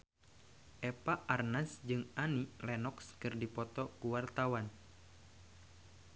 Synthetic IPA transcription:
ʔɛpaʔarnasd͡ʒɨŋanilɛnɔkskɨrdipɔt̪ɔkuwart̪awan

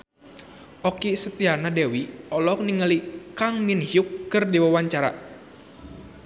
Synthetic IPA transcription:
ʔɔkisət̪ianadɛwiɔlɔk̚niŋəlikaŋminhiukːɨrdiwawaɲt͡ʃaɾa̰

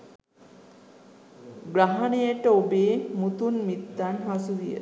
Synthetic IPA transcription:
ɡɾaɦanejəʈəobeːmut̪unmit̪ːanɦasud̪ijə̰

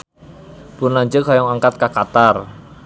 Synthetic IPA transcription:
b̥ʊnlaɲd͡ʒəkɦajɔŋaŋkat̪̚kakat̪ar

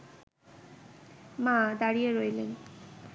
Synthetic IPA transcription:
mãd̪aɽijeɾojlen

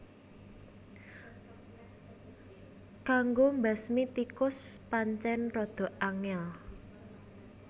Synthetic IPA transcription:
kaŋɡombasmit̪ikʊspaɲt͡ʃɛnrɔd̪̥ɔ̤ʔaŋɛl

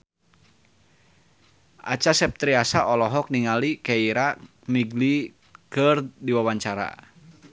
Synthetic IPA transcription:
ʔa̰t͡ʃasɛp̚t̪ɾiasaʔɔlɔɦɔk̚niŋalikɛiɾa | miɡli | kərdiwawaɲt͡ʃaɾa̰

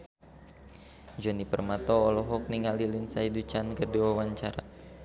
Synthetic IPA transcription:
d͡ʒɔnipərmat̪ɔːlɔɦɔk̚niŋalilɪnsaidut͡ʃankərdiwawaɲt͡ʃaɾa̰

